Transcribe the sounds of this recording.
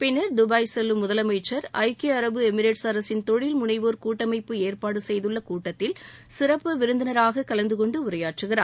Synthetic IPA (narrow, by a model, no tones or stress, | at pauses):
pɪnːɐɾd̪ʊbɐjsɛlːɯmːʊðɐlɐmɐɪt͡ʃːɐɾɐɪkeɐɾɐbɯɛmɪɾeːʈsɐɾɐsɪnt̪ɔɻɪlmʊnɐɪʋoːɾkuːʈːɐmɐɪpːɯeːɾpaːɽɯsɛjðɯɭːɐkuːʈːɐt̪ːɪlsɪɾɐpːɯʋɪɾɯnd̪ɐnɐɾaːɣɐkɐlɐnd̪ɯkɔɳɖɯʊɾɐjaːʈrɯɣɪra̰ːɾ